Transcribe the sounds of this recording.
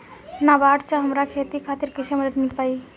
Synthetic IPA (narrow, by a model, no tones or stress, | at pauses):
nabaʈt͡ʃʰaɦəmɾakʰet̪ikʰat̪iɾkiseməd̪ət̪miʈpai